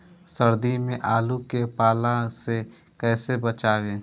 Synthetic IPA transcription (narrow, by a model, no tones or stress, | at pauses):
səɾd̪imẽʔaːlukepaːlase | kɛːsebət͡ʃaːʋeː